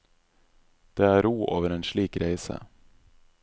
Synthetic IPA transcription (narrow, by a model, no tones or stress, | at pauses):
d̪̥eːæːɾuːʔoːʋəɾeːnʂɭiːkɾʔæɪsə̰